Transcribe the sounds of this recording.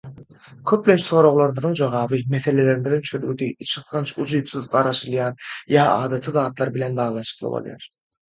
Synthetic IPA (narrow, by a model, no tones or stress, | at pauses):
kʲʰøp̚lʲent͡ʃʰso̞ːɾo̞ʁlˠoɾɯmɯðɯŋd͡ʒoʁɑːβɯmeθe̞le̞le̞ɾimiðint͡ʃʰøðɡyd̪iit͡ʃʰɯθʁɯnt͡ʃʰud͡ʒujpθuðɢɑɾɑʃɯlˠjɑːnjɑːɑ̰ːd̪ɑt̪ʰɯðɑːt̪lˠɑɾbile̞nbɑːʁlˠɑnʃɯ̥qlˠɯ̰bo̰lˠjɑ̰ɾ